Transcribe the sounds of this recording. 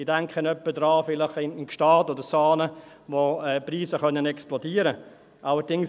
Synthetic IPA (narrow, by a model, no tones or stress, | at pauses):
iːdɛŋkχənœpːədɾɑːfɪlɪχɪnnʃtɑːtodəɾsɑːnə | ʋoɛːpɾiːsəχœnənɛksplɔdiːəɾə | ʔaləɾdɪŋ